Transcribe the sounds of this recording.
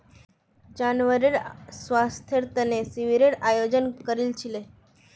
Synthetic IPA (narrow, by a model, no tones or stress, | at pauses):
d͡ʑanʋəɾiɽsʋast̪ʰjəɾt̪ənesiʋiɾeɽajod͡ʑənkəɾilt͡ɕʰile